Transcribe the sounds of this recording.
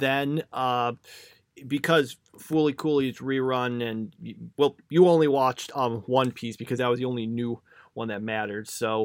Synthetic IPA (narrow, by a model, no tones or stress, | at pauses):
ðɨ̃nʌ | bɨkʰʌz̥ | fulˠikʰulˠizɹiɹʌ̃nɨ̃nwɛlˠjɨõʊ̃nliwɑt͡ʃtʌ̃wʌ̃npʰisb̥ɨkʰʌzðɨt̚wʌzðiõʊ̃nlinjʉ | wʌ̃nðɨt̚mæɾə˞d̥soʊ